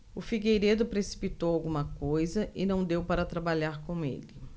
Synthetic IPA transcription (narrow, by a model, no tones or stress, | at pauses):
ʊfiɡejɾed̪ʊpɾesi̥pit̪owawɡũmɐkojzɐʔɪnɐ̃w̃d̪ewpaɾɐt̪ɾabaʎaɾkõw̃ḛlɪ